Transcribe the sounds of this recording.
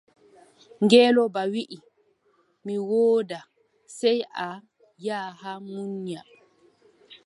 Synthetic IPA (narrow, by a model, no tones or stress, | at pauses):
ŋɡɛːlɔbawiʔi | miwoːda | sɛja | jaːhamuɲɲa